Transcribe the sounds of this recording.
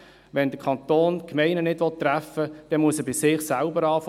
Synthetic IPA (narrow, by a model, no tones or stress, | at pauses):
ʋɛnd̥̪əkʰɑnt̪oːnkmɛɪnənɪdʋɔtːræfːəd̥ɛnmuəsɛbɪsɪχsælbəɾɑːf